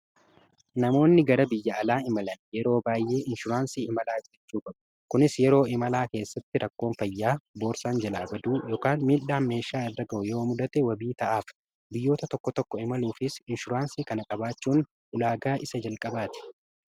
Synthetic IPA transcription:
nɐmo̞ːnːɪɡɐɾɐbɪjːɐɐlaːɪmɐlɐnjɛɾo̞ːbaːjːe̞ːɪnʃʊɾaːnsiːɪmɐlaːd͡ʒɛt͡ʃːuːkʼɐbɐ̥ | kʊnɪsjɛɾo̞ːɪmɐlaːke̞ːsːɐt̪ːɪɾʔɐkːo̞ːnfɐjːaːbo̞ːɾsaːnd͡ʒɐlaːbɐd̪uːjo̞ːkaːnmiːᶑaːnme̞ːʃaːɪrːɐɡɐʔʊjooːmʊd̪ɐt̪ɛwɐbiːt̪ɐʔaːf | bɪjːo̞ːt̪ɐt̪ɔkːɔt̪ɔkːɔɪmɐluːfɪsɪnʃʊɾaːnsiːkɐnɐkʼɐbaːt͡ʃːuːn | ʔʊlaːɡaːʔɪsɐd͡ʒɐlkʼɐbaːt̪ɪ̥

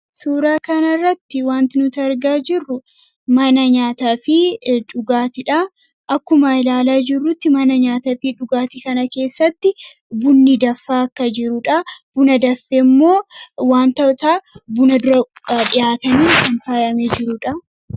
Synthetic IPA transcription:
suːɾaːkɐnɐrːɐt̪ːɪwaːnt̪ɪnʊt̪ːɾɡaːd͡ʒɪrːʊ | mɐnɐɲaːt̪aːfɪᶑʊɡaːt̪ɪᶑɐ | ʔɐkːʊmɐɪlaːlaːd͡ʒɪrːʊt̪ːɪmɐnɐɲaːt̪ɐfɪᶑʊɡaːt̪ikɐnɐke̞ːsːɐt̪ːɪ | bʊnːid̪ɐfːaːɐkːɐd͡ʒɪɾʊᶑɐb̥ʊnɐd̪ɐfːemːo̞ːwaːnt̪ɐt̪aːbʊnɐd̪ʊɾɐᶑɪjaːt̪ɐniːkɐnt̪aːjɐmed͡ʒɪɾʊᶑɐ

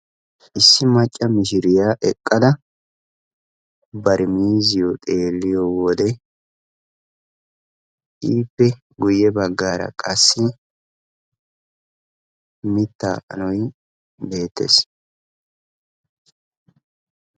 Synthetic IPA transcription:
ʔɪsːɪmɐt͡ʃʼːɐmɪʃɪɾɪjaːʔɛkʼːɐd̪ɐ | bɐɾɪmiːzɪjɔt̪ʼe̞ːlːɪjɔwɔd̪ɛ | ʔiːpːɛ | ɡʊjːɛbɐɡːaːɾɐ̰kʼɐsːɪ | mɪt̪ːa̰ːʔɐ̰nɔj | be̞ːt̪ːḛs

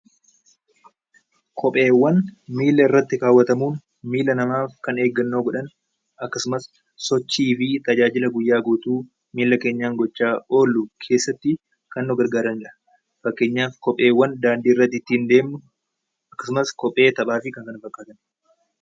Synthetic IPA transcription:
kʰɔpʼe̞ːwːɐnmiːlːɐɪrːɐt̪ːɪkaːwːɐt̪ɐmuːn | miːlɐnɐmaːfkɐne̞ːɡːɐnːoːɡɔᶑɐn | ɐkːɐsʊmɐsː | ɔt͡ʃːiːfɪt̪ɐd͡ʒaːd͡ʒɪlɐɡʊjːaːɡuːt̪uː | miːlːɐke̞ːɲːaːŋɡɔt͡ʃːaːo̞ːlːʊkʰe̞ːsːɐt̪ːɪ | kɐnːɔɡɐɾɡaːɾɐnɪᶑɐ̥ | fɐkːe̞ːɲːaːfkɔpʼe̞ːwːɐnd̪aːnd̪iːrːɐt̪ːɪt̪ːiːnd̪e̞ːmnʊ | ɐkːɐ̥sʊmɐskɔpʼːe̞ːt̪ɐɓaːfɪkɐŋkɐnɐfɐkʼːaːt̪ɐn

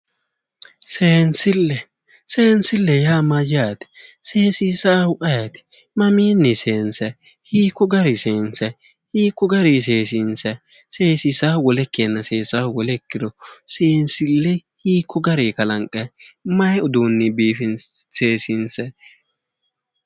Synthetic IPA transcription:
seːnsɪlːɛ | seːnsɪlːɛjaːmɐjɪjaːt̪ɪ̥se̞ːsisaːhʊʔʼɐjɐt̪ɪ̥ | mɐmiːnːɪse̞ːnsɐ | hiːkːɔɡɐɾɪse̞ːnsɛ | hiːkːɔɡɐɾis̬eːsɪnsɛ | se̞ːsisaːwɔlɛkːenːɐseːsaːwɔlɛkːɪd̪ɔseːnsɪlːɛhiːkʰːɔɡɐɾekɐlɐŋkʼːɛmɐjɛʊd̪uːnːɪbiːfɪnseːsɪnsɛ

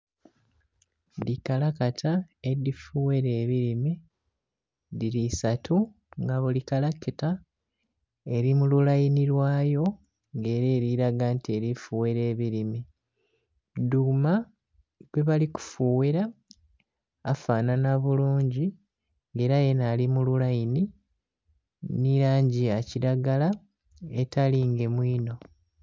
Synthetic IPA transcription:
dikalakatʰaedifuweɾeːβiɾime | ðiɾisatʰu | ŋɡaβolikalakita | e̞ɾimululajiniɾwaːjo̞ | ŋɡe̞ːɾeːɾiɾaɡantie̞ɾifuweɾe̞ːβiɾime | duma | βwe̞βaliku̥fuːweɾa | faːnanaβuluːɲɟi | ŋɡe̞ːɾajenalimululajini | niɾaːɲɟiaciɾaɡala | etaliŋɡe̞mwiːno̞

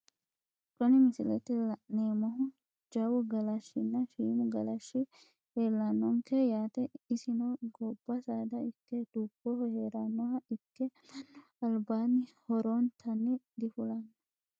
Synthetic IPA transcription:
kʼɔnɪmɪsɪlɛt̪ɪlɐʔneːmɐɦʊ | d͡ʒɐwʊɡɐlɐʃːɪnːɐʃiːmʊɡɐlɐʃːɪ | heːlːɐnːɔŋkɛjaːt̪ɛɪsɪnoɡɔb̥ːɐsaːd̪ɐɪkːɛd̪̥uːbːɔhheːɾɐnːɔhɐɪkːɛ | ɐlbaːnɪhɔɾoːnt̪ʰɐnːɪd̪ɪfʊlɐn

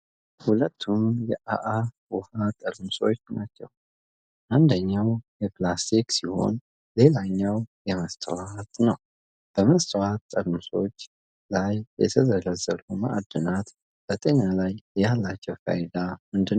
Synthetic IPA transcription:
hulət̪ʰːumjɛʔaʔawuhat̪ʼəlmso̞t͡ʃːnat͡ʃːɛw | ʔand̪əɲːawjɛplasiksiho̞̰n | le̞laɲːawjɛməst̪ʰʼə̰wat̪nəw | b̥əməst̪ʰʼəwat̪ːʼəlmso̞̰t͡ʃː | lajːɛ̰t̪ʰəzələzːəɾumaʔad̪ɨnat̪ | b̥ət̪ʼeɲalajjalːat͡ʃːɛwfa̰jd̪amɨnd̪ɨn

